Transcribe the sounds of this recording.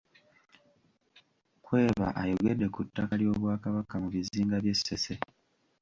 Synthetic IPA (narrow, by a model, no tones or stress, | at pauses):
kwe̞ːβa̰ʔajo̞ɡe̞dːe̞kutːakaljo̞ːβwaːkaβakamuβiziːŋɡaβje̞sːe̞se